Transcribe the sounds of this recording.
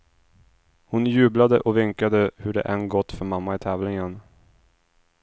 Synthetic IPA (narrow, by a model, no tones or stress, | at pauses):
hʊnjʉ̟ːblad̪əʔɔvɪŋkad̪əhɵɖɛ̰ʔɛnɡɔt̪ːfœɾmamːaɪt̪ʰɛːvlɪŋən